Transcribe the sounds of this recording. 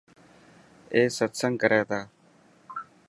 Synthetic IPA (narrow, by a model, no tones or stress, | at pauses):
eːsət̪səŋkəɾɛːt̪aː